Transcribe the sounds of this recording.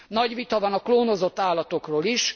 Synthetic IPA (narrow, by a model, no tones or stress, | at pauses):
nɒɟʋit̪ɒvɒnɒkloːnozo̞t̪ːaːlːɒt̪o̞kroːliʃ